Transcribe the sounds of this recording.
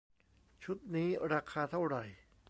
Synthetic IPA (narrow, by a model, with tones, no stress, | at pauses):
t͡ɕʰu˦˥t̪̚niː˦˥ɾaː˧kʰaː˧t̪ʰa˥˩wɾa˨˩j